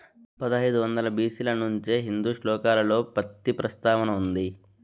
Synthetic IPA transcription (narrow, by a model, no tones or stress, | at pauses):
pɐd̪iɐjd̪uʋɐnd̪ɐlɐbiːsilɐnuɲt͡ʃeːɦind̪uːʂlɔːkaːlɐlo̞ːpɐt̪ːipɾɐst̪aːʋɐnɐund̪i